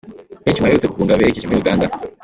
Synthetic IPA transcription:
hecimaɾeut͡seku̥kuːŋɡaβeɾecicimijuɡaːnda

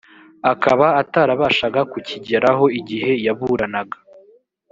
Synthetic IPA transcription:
akaβaːtaːɾaβaːʃaɡakuciɟeɾaɦo̞iɟihe̞jaβuɾanaɡḁ

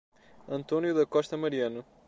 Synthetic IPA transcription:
ɐ̃nt̪onjuðɐkɔʃt̪ɐmɐɾiɐnu

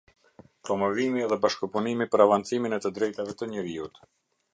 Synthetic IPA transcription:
pɾɔmɔvimiɛðɛbaʃkəpunimipəɾavant͡siminɛt̪əd̪ɾɛjt̪avɛt̪əɲəɾiut̪

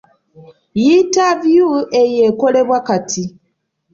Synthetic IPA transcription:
jitavjuejeko̞le̞βwakatʰi

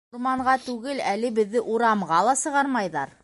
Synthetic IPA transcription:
ɾmɑɴɢɑt̪ʉɡɘlælɘbɘ̆ðːɘʔuɾɑmʁɑlˠɑsɤ̆ʁɑɾmɑjðɑɾ

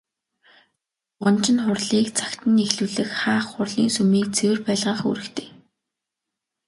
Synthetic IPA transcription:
ɢʊnt͡ɕɪ̆nχʊrɮiːkt͡sʰḁkt̪ə̆nexɮuːɮɘ̆xχaːχːʊrɮḭːnsumiːk̚t͡sʰewɘ̆rpæːɮʁaːχṵːɾɘ̆kt̪ʰe̥ː

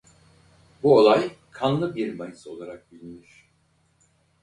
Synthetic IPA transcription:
buo̞lˠajkʰanlˠɯbiɾmajɯso̞lˠaɾak̚bilʲiniɾ̥

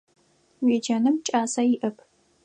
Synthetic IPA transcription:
weːd͡ʒɐnɨmt͡ʃʼaːsɐjɪʔɨpʰ

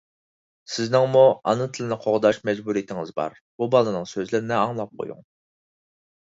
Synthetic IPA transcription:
sɪznɪŋmuɑ̰nɨt̪ʰɨlɪnɪqʰoʁd̪ɑʃmɛd͡ʒbuɾijit̪ʰɪŋɨzbɑ̰ɾ | b̥ubɑlˠɨnɨŋsøzlɪɾɪnɪɑŋlˠɑp̚qʰo̰jṵŋ

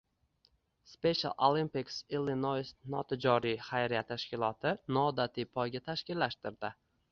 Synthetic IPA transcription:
spe̞ʃa̰lˠolˠimpiksilinojsnɒt̪ʰɪd͡ʒɒɾijχajɾijat̪ʰaʃkʲɪlˠɒt̪ʰɪnɒːd̪at̪ʰipʰɒjɡʲat̪ʰaʃkʲɪlːaʃt̪ɪɾd̪ɪ

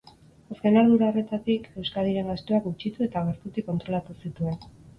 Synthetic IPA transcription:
aske̞nald̪uɾaore̞t̪at̪ike̞wskaðiɾe̞ŋɡast̪uakut͡ʃit̪ue̞t̪aɣeɾt̪ut̪ikːo̞nt̪ɾo̞lat̪usit̪ue̞n

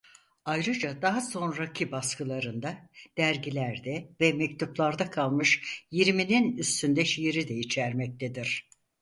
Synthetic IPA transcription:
ajɾɯd͡ʒad̪aɦaso̞nɾacʰibaskɯlˠaɾɯnd̪ad̪̥æɾɟilʲæɾd̪ɛvɛmɛc̚t̪ʰuplˠaɾd̪akʰalˠmɯʃjiɾmininyst̪ʰynd̪ɛʃijiɾid̪ɛjit͡ʃʰæɾmɛc̚t̪ʰed̪iɾ̥

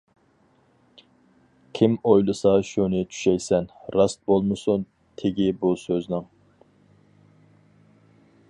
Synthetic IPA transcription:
kʲʰimojlˠɨsɑʃunɨt͡ʃʰy̥ʃɛjsɛnɾɑst̪̚bolˠmɨsun | t̪ʰeɡʲibusøznɪŋ

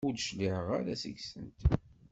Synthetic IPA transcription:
ʊd̪ʃliħəʁaɾæsə̰ɡsənt̪

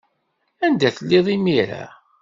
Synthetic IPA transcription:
ænd̪æθəlːɪðˤimiɾa̰

